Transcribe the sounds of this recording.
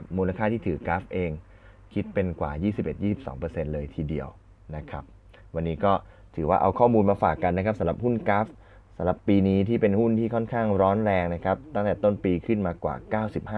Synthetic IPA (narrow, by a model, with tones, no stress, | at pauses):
p̚muː˧la˧kʰaː˥˩t̪ʰiː˥˩t̪ʰɯː˨˩˦kaː˦˥fʔeː˧ŋ | kʰi˦˥t̪̚pe˧nkwa̰ː˨˩jiː˥˩si˨˩p̚ʔe˨˩t̪̚jiː˥˩si˨˩p̚sɔ̰ː˩˦ŋpɤː˧se˧nlɤː˧jt̪ʰiː˧di˧əw | na˦˥kʰa˦˥p̚ | wa˧nːiː˦˥kɔː˥˩ | t̪ʰɯː˩˦waː˥˩ʔa̰˧wkʰɔː˥˩muː˧nmaː˧faː˨˩kːa˧nːa˦˥kʰa˦p̚sa˨˦˥ɾa˨˩p̚hu˥˩nkaː˦˥f | sa˩˦ɾa˨˩pːiː˧niː˦˥t̪ʰiː˥˩pe˧nhu˥˩nt̪ʰiː˥˩kʰɔ˥˩nkʰaː˥˩ŋɾɔː˦˥nɾɛː˧ŋna˦˥kʰa˦˥p̚t̪a˥˩ŋt̪ɛː˨˩t̪o˥˩npiː˧kʰɯ˥˩nmaː˧kwa̰ː˨˩kaː˥˩wsi˨˩p̚haː˥˩